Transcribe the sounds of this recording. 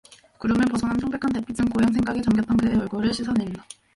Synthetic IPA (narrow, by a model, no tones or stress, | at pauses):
kɯɾʌmjʌnpʌsʰʌnansʰoŋbe̞kʰante̞pʰitɯŋkojaŋsʰeŋɡaɡet͡ɕaŋɡjʌt͈ʌnkɯejʌɭɡoɾɯɭɕʰisʰanɦemida